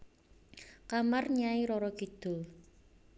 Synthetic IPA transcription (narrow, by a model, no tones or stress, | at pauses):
kamarɲaiɾɔɾɔkid̪̥o̤